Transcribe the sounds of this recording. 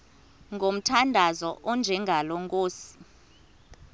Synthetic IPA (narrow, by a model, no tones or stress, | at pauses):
ŋɡʱom̩tʰandʱazɔʔɔnd͡ʒʱɛŋʱaloŋkʼoːsi̥